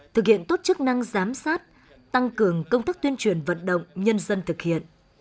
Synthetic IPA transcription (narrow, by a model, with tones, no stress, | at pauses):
t̪ʰɨ˨˩k̚hḭ˧˨ənt̪o˦˥t̚t͡ɕɨ˦˥k̚na˧ŋzaː˨˦msaː˦˥t̚ | t̪a˧ŋkɨ˨˩əŋkə˧wŋ͡mt̪aː˦˥k̚t̪wi˧ənt͡ɕwi˨˩ənvə̰˧˨nɗə̰˧˨wŋ͡mɲə˧nzə˧nt̪ʰɨ˨˩k̚hḭ˧˨ən